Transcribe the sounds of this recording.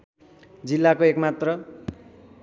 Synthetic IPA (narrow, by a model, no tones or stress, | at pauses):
d͡zilːakoekmat̪rʌ